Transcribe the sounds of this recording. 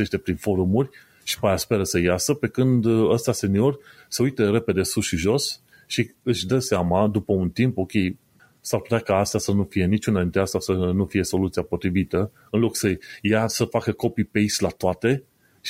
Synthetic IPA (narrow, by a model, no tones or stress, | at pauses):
e̞ʃt̪e̞pɾinfo̞ɾumurʲ | ʃi̥pajaspe̞ɾəsəjasəpe̞kɨnd̪əst̪ase̞nio̞rʲ | səujt̪eɾe̞pe̞d̪e̞susʃiʒo̞s | ʃiɨʃʲd̪əseamad̪upəunt̪impo̞kʲe̞j | sarpu̥t̪eakaast̪asənufije̞nit͡ʃunad̪int̪ɾeast̪asənufije̞so̞lut̪siapo̞t̪ɾivit̪ə | ɨnlo̞ksəjasəfakəko̞pipejslat̪oat̪e̞